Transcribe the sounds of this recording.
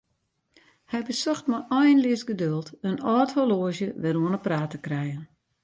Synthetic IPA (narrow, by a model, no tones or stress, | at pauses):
hɛjbəsɔxtmaʔɔjnlɪəsɡədølˠtənɔːtholoəzjəʋɛɾuənəpraːtəkrɛjən